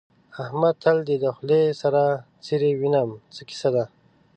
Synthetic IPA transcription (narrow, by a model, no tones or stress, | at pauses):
ahmad̪̚t̪ʰald̪ed̪axlesaɾa | t͡siɾewinamt͡səki̥sad̪a